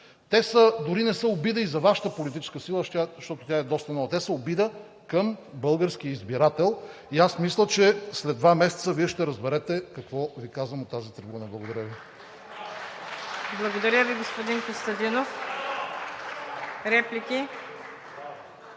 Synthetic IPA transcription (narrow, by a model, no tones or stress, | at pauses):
t̪ɛsəd̪ʊɾinɛsəobid̪əizɐvaʃɐ̥t̪əpolit̪it͡ʃɛ̥skəsilˠət̪aʃt̪ɔt̪ʊt̪ʲaɛd̪ɔst̪ənɔvət̪ɛsəobid̪ə | kəmbɤlˠɡəɾsk̟iəizbiɾat̪ɛlˠ | iasmislʲət͡ʃɛslɛd̪d̪ːvamɛsɛ̥t̪səviɛʃt̪ɛɾəzbɛɾɛt̪ɛkɐkvɔvikazvəmot̪ːazit̪ɾɛbunəblˠɐɡod̪ɐɾʲjəvi | blˠɐɡod̪ɐɾʲəviɡospʊd̪inkost̪əd̪inof | ɾɛplikʲi